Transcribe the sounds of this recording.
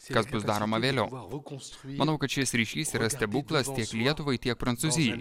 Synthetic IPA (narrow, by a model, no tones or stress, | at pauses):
kɐsbʊsd̪ɑːɾoːmɐʋʲeːlʲɛʊ | mɐnɐʊkɐt̪ʃʲɪsɾʲiːʃʲiːsiːɾɐsʲt̪ʲɛbuːklˠɐst̪ʲiɛklʲiɛt̪ʊʋɐɪt̪ʲiɛk̚pɾɐnt̪suːzʲɪjɛɪ